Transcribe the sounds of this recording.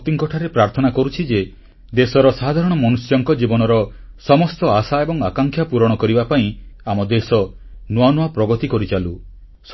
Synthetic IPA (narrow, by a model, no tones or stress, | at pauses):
t̪iŋkɔʈʰaɾepɾaɾt̪ʰɔnakɔɾut͡ʃʰid͡ʒe | d̪esɔɾɔsad̪ʱaɾɔɽ̃ɔmɔnusjɔŋkɔd͡ʒibɔnɔɾɔ | sɔmɔst̪ɔasaebɔŋakaŋkʰjapuɾɔɽ̃ɔkɔɾibapaĩamɔd̪esɔnuanuapɾɔɡɔt̪ikɔɾit͡ʃalu | s